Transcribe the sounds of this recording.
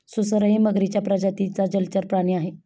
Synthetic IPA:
susəɾəɦiməɡɾit͡ɕjapɾad͡ʑat̪it͡sad͡ʑəlt͡ɕəɾpɾaɽiaɦe

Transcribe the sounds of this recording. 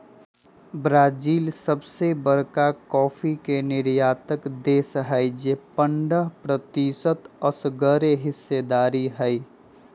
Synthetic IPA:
bɾaːd͡ʒiːlsəbsebəɾkakɔːfʰikenɪɾjaːt̪əkd̪eːsɦɛjd͡ʒeːpəɳɖəɦpɾət̪isət̪əsɡəɾeɦɪsːed̪aːɾiɦɛi

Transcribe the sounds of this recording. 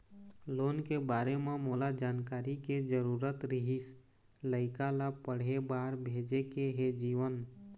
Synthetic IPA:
loːnkebaːɾemẽmoːlad͡ʒaːnkaːɾiked͡ʒəɾuːɾət̪ɾɪɦis | ləɪkalapəɽ̤ebaːɾbʱeːd͡ʒekeɦed͡ʒiːʋən

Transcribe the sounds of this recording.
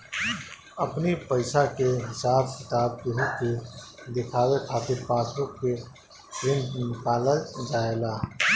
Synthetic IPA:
əpnipəɪsakeɦɪsaːbkɪt̪aːb̚kʊɦõked̪ɪkʰaːwekʰaːt̪ɪɾpaːt̪ʰõke | ɾɪ̃ndnɪkaːlad͡ʒaːelaː

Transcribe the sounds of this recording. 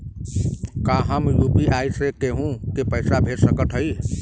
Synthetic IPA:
kaɦəmjupiʔajsekeɦũkepəɪsabʱeɾsəkəʈ̪ʰɦəi

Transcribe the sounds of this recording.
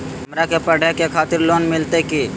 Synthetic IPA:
ɦɐmɾakepəɽekekʰaːt̪ɪɾloːnmɪlt̪eki

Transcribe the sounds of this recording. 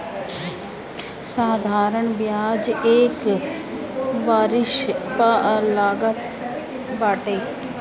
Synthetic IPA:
saːd̪ʱaːɾəɳʋjaːd͡ʒeːk | baːɾɪʃpalaːɡət̪ | baːʈeː

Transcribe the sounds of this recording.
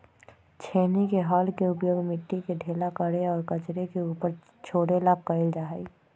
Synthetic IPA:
t͡ʃʰeːnikeɦaːlkeʊpjoːɡmɪʈːikeɖʱeːlakəɽeɔːɾkət͡ʃɾekeuːpəɾ | t͡ʃʰoːɽelaːkkːəɪld͡ʒaːɦi

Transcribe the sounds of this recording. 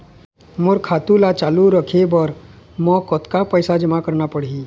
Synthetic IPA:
moɾkʰat̪ulat͡ʃaluɾəkʰebəɾ | mɔkɔt̪kapəjsad͡ʒəmakəɾɳapəɽɦi

